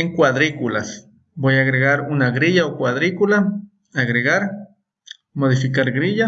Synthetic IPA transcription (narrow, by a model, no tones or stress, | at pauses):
eŋkwaðɾikulas | bojaːɣɾeɣaɾunaɣɾiʎaokwaðɾikula | aɣɾeɣaɾ | moðifikaɾɡɾiʎa